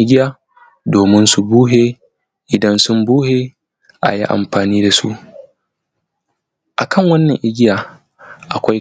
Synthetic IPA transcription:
ɪ˦ɡʲɪ˦jaː˦ | doː˨mɪ˦nsu˨buː˦ɦeː˦ | ʔɪ˨dɐ˦nsʊ˦mbuː˦heː˦ | ʔa̰˨ji˦ʔa̰˨mɸaː˨niː˦da˨sṵ˦ʔ | ʔa˨kʰɐ˦˨ŋwɐ˦nːɐ˨ŋʔɪ˦ɡʲɪ˦jaː˨ | ʔa˨kʷa˦j

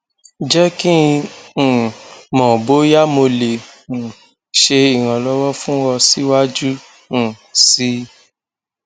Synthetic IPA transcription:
d͡ʒɛ˦kĩ˦˧˨ | mɔ̃˨bo˦ja˦mo˧lẽ˨ | ʃe˧i˨w̃ã˧˨lɔ˦wɔ˦fũ˦wɔ˧si˦wa˦d͡ʒũ˦˨ | si˦

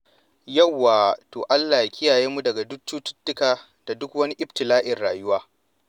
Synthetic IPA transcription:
jɐ˦˨wːaː˨toː˨ʔa˦lːaː˨ja˨kʲʰɪ˦jaː˨jeː˦mu˦dɐ˨ɡa˨dʊ˦kt͡ʃuː˦tʊ̥˦tːʊ˦kaː˨ | d̥a˨dʊ˦kwɐ˦ni˦ʔɪ˦btɪ˨laː˦ʔɪ˨rɽaː˨jʊ˦waː˦

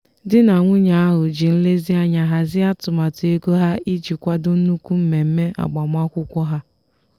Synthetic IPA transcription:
dɪ˦na˨ŋʷʊ˦ɲa˨a˦ɦʊ˨d͡ʒi˨n̩˦le˦zɪ˦a˦ɲa˨ɦa˦zɪ˦a˦tʊ˨ma˨te˦ɡo˦ɦa˦i˦d͡ʒi˨kʷa˦dʊ˦nu˦ku˦m̩˦me˨m̩˦me˦ʔa̰˨ɡ͡ba˨m˦a˦kʷʊ˦kʷɔ˦ɦa˦

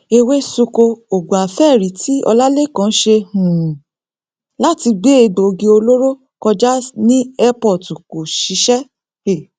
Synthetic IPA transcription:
e˧we˦su˧ko˧o˨ɡ͡bõ˨a˨fɛ˦˨ɾi˨˦tʰi˦ɔ̰˧la˦le˦˨kã˦ʃe˧hũ˨ | la˦ti˧ɡ͡be˦e˧ɡ͡bo˨˧ɡi˧o˧lo˦ɾo˦ | kɔ˧d͡ʒa˦nĩ˦ɛ˦pɔ˦˨tu˨ko˨ʃi˨˧˦ʃɛ˦ | e˦˨

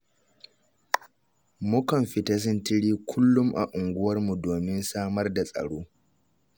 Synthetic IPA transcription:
mʊ˦kɐ˨mɸɪ˨ta˦s̬ʊ˦ntɪ˦ɽiː˦kʷʰʊ˦lːʊ˦mʔa̰˨ʔʊ˨ŋɡʷʊ˦wɐ˦rmu˨doː˨mɪ˦nsaː˦mɐ˦rda˨sʼɐ̰˨ɽoː˦

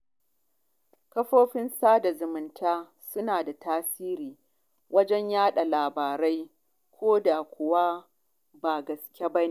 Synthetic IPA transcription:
kɐ˦ɸoː˦ɸɪ˦nsaː˦da˨zʊ˨mɪ˨ntʰaː˦ | sʊ˦naː˨da˨taː˦siː˦ɾiː˨ | wɐ˦d͡ʒɛ˦ɲjaː˦ɗa˨laː˨baː˨ɾa˦j | kʷʰoː˦da˨kʷʊ˨wa˦ | baː˨ɡɐ˨skʲe˦bɐ˦ni˦ʔ

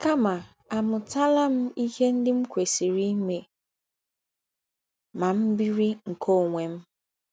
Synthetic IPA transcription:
ka˦ma˨ | a˨mʊ˨ta˦la˦m̩˦i˦he˦n̩˦dɪ˦m̩˦kʷe˨si˨ɾi˦me˨ | ma˨m̩˦bi˦ɾi˦ŋ̩˨kʰo˦˨ŋʷe˨m̩˦

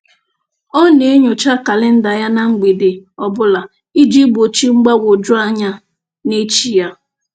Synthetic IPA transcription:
ɔ˦ne˨˦e˦ɲʊ˨t͡ʃa˦ka˨lɪ˦n̩˦da˨ja˦na˦ŋ͡m̩˦ɡ͡be˨de˨ɔ˨bʊ˦la˨ | i˦d͡ʒi˦bo˨t͡ʃi˦ŋ͡m̩˦ɡ͡ba˦wʊ˨d͡ʒʊ˦a˦ɲa˦ | ne˦t͡ʃi˦ja˦

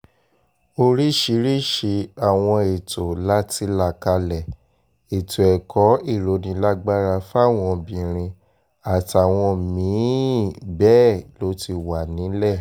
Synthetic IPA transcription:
o˦˧ɾi˦ʃi˧˦ɾi˦ʃi˧a˨w̃ɔ̃˧e˨to˨la˦ti˧la˧˨ka˧lɛ˨ | e˨to˨ɛ˨kʰɔ˨˦i˦˨ɾo˨˦nĩ˧˦la˦ɡ͡ba˦ɾa˧fa˦˨w̃ɔ̃˧bĩ˨ɾ̃ĩ˧ | a˨ta˨w̃ɔ̃˧mĩ˨˦bɛ˦lo˦ti˧wa˨nĩ˨˦lɛ˦˨

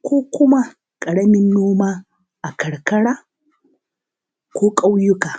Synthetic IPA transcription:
koː˦kʷʊ˦ma˦ | kʼɐ˨ɽɐ˦mɪ˦nːoː˦ma˦ | a˨kɐ˨ɽkɐ˦ɽa˦ | koː˦kʼɐ˦wjʊ˦ka˨

